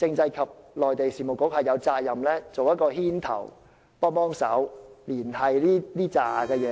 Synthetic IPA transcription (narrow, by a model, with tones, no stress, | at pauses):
t͡sɪ˧ŋt͡sɐ˧jkʰɐ˨p̚lɔː˨jt̪e˨jsiː˨˩mo˨˩kːʊ˨˥k̚hɐ˨˩jɐ˨˧wt͡saː˧t̚jɐ˨mlɛː˥t͡so˨wjɐ˥t̚kɔː˧hiː˥nt̪ʰɐ̰˨˩w | pɔː˥ŋpɔː˥ŋsɐ̰˨˥wliː˨˩nhɐ˨jliː˥liː˥t͡saː˨˩kɛː˧jɛː˨˧